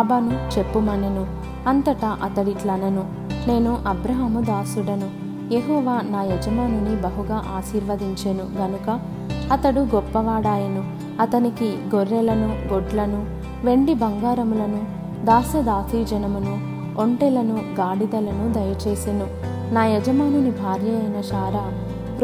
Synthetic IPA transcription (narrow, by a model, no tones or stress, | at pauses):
aːbaːnut͡ʃe̞pːumɐnɐnu | ɐnt̪ɐʈɐʔɐt̪ɐɽiʈlɐnɐnu | ne̞ːnuʔɐbɾɐɦɐmud̪aːsuɽɐnu | jeɦɔːʋaːnaːjɐd͡ʒɐmaːnɐnibɐɦuɡaːʔaːʃiːɾʋɐd̪iɲt͡ʃenuɡɐnukɐ | ɐt̪ɐɽuɡɔpːɐʋaːɽaːjɐnu | ɐt̪ɐnikiɡoɾːɛlɐnuɡoɖlɐnu | ʋe̞ɳɖibɐŋɡaːɾɐmulɐnu | d̪aːsɐd̪aːt̪iːd͡ʒɐnɐmunu | oɳʈɛlɐnuɡaːɽid̪ɐlɐnud̪ɐjɐt͡ʃe̞ːsenu | naːjɛd͡ʒɐmaːnunibʱaːɾjɐɐjnɐʃaːɾaː